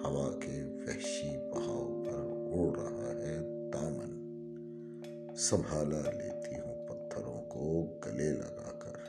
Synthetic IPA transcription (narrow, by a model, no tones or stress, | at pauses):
hɐʋaːkeʋɛɦʃipɐɦaːopɐɾɦoːɾɐɦaɦɛt̪aːmən | sɐmbʱaːlalḛːt̪ʰiɦũːpɐt̪ʰːəɾõkoɡɐlelɐ̰ɡa̰ːkɐ̰ɾ